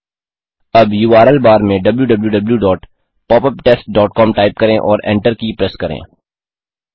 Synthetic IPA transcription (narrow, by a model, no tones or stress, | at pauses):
ɐbjuːaːɾəlbaːɾmẽɖɐbljuɖɐbljuɖɐbljuɖɔːʈ | pɔːpəpʈeːsʈ̚ɖɔːʈkɔːmʈaːɪp̚kɐɾẽʔɔːɾɛ̰̃ɳʈəɾkipɾɛskɐɾḛ̃ː